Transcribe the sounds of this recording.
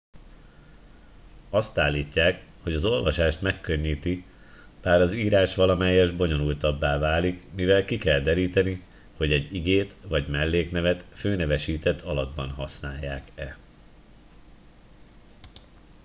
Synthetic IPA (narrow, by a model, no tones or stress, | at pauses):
ɒst̪aːlːiːcːaːkho̞ɟɒzo̞lvɒʃaːʃt̪mɛkːø̞ɲːiːt̪i | b̥aːɾɒziːɾaːʃʋɒlɒmɛjːɛʒbo̞ɲo̞nult̪ɒbːaːvaːlikmivɛlkikɛld̪ɛɾiːt̪ɛni | ho̞ɟɛɟːiɡeːt̪vɒɟmɛlːeːknɛvɛt̪føːnɛvɛʃiːt̪ɛt̪ʰɒlɒd̪bɒnɦɒsnaːjːaːkɛ